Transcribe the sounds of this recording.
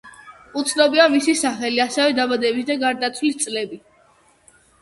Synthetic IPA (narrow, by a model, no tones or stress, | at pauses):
ut̪sʰnɔbiamisisaχɛliasɛvɛd̪abad̪ɛbisd̪aɡaɾd̪at̪sʰwlist̪sʼlɛbi